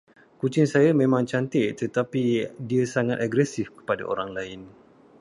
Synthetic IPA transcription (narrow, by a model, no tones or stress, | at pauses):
kut͡ʃɪŋsajamẽmãŋt͡ʃant̪ɪʔt̪ət̪apidiasaŋat̪aɡɾɛsifkə̥pada̰ʔo̰ɾaŋlaɪn